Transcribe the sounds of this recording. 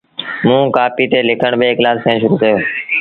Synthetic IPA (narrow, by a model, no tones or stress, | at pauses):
mũːkaːpiːt̪eːlɪkʰəɳbeːɪklaːskʰẽːʃʊɾuːkəjoː